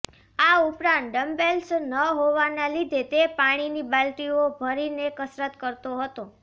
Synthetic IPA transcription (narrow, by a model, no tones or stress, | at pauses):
aupɾãnt̪̚ɖəmbelsnəɦoʋanalid̪ʱet̪epaɽ̃inibalʈiobʱəɾinekəsɾət̪kəɾt̪oɦət̪o